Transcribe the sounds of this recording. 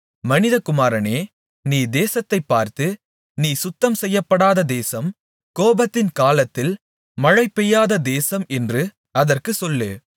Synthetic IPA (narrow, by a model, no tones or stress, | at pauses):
mɐnɪðɐkʊmaːɾɐneː | niːd̪eːsɐt̪ːɐɪpːaːɾt̪ɯ | niːsʊt̪ːɐmsɛjːɐpːɐɽaːðɐd̪eːsɐm | koːbɐt̪ːɪnkaːlɐt̪ːɪl | mɐɻɐɪpːɛjːaːðɐd̪eːsɐmɛndrɯ | ɐðɐrkɯsɔlːḛː